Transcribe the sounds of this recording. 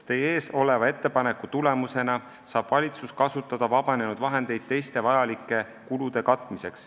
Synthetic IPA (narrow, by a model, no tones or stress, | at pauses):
t̪e̞jeːso̞le̞vɑe̞t̪ːe̞pɑne̞kːˑut̪ule̞muse̞nɑ | sɑːb̥vɑlʲit̪suskɑsut̪ˑːɑd̪̥ɑvɑb̥ɑne̞nud̪̥vɑɦe̞nd̪̥e̞jd̪̥̚t̪e̞jst̪e̞vɑjɑlikːˑe̞ | kulud̪̥e̞kɑt̪ːˑmise̞ks